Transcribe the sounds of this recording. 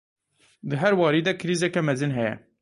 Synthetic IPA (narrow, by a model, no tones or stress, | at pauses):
d̪ɨɦæɾwɑːɾiːd̪ɛkʰɪɾiːzɛkɛmɛzɨnɦɛjɛ̰